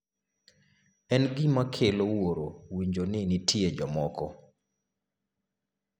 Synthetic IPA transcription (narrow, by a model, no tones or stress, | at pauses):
ɛnɡɪmakʰelowoɾowiɲd͡ʒonɪnitʰjed͡ʒɔmɔkɔ